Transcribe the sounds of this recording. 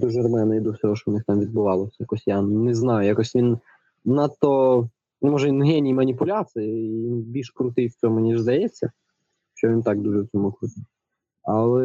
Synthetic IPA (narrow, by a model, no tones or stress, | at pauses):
d̪uʒɐrmɛnɐid̪ɔwsʲɔɦɔʃt͡ʃɔwnɪxt̪ɑmʋʲid̪̚bʊʋɑlˠɔsʲɐjɐkɔsʲjanɛznɑjʊjakɔsʲʋʲin | nat̪ːɔ | nɛmɔʒɛinɦɛnʲijmɐnʲipʊlʲat͡s̪ɨjɪɪʋʲinbʲilʲʃkɾʊt̪ɪjwt͡sʲɔmʊnʲiʒzd̪ɐjɛt͡sʲːɐ | ʃt͡ʃɔʋʲint̪ɑɡd̪uʒɛwt͡sʲɔmʊkɾut̪ʲi | ɐlˠɛ